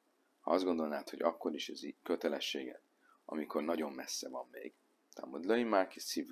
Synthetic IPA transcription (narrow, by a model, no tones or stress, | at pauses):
hɒ̰ɒzd̪ɡond̪o̞lnaːt̪ho̞ɟɒkːo̞ɾiʃɛzikøt̪ɛlɛʃːeːɡɛ̰t̪ | ɒ̰miko̞rnɒɟo̞mːɛsːɛvɒmːḛːɡ̥ | t̪a̰mud̪loimakisiv